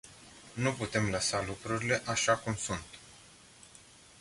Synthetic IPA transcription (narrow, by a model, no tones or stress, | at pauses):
nuput̪e̞mləsalukɾuɾile̞ʔaʃakumsunt̪